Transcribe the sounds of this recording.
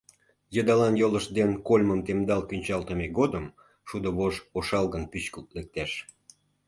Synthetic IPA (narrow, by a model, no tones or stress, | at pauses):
jəd̪ɑlɑnjoləʃd̪enkolʲməmt̪emd̪ɑlkynʲt͡ɕɑlt̪əmeɡod̪əm | ʃud̪əβoʒoʃɑlɣənpyt͡ɕkəlt̪lek̚t̪eʃ